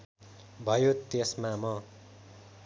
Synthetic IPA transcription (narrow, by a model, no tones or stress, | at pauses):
bʱʌjot̪esmamʌ